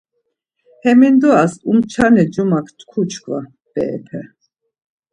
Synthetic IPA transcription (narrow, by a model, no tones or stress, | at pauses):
hɛmind̪uasumt͡ʃʰanɛd͡ʒumakʰt̪ʰkʰut͡ʃʰkʰʼva | b̥ɛ̰ɛ̰p̪ʰɛ